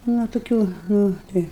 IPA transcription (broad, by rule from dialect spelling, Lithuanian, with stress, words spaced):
nʊ toːˈkʲuː ˈnʊ ˈtɐɪ